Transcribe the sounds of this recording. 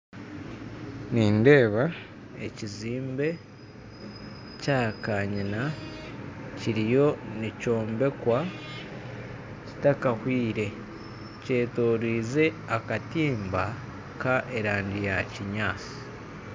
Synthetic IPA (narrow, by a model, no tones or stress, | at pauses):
niːnde̞ːβa | ḛciziːmbe̞ | caːkaɲina | ciɾijo̞nico̞ːmbe̞kwa | ci̥takahwiːɾe̞ | ce̞ːtoːɾiːze̞ | akatiːmba | kaʔe̞ɾaːɲdijaciɲaːt͡si̥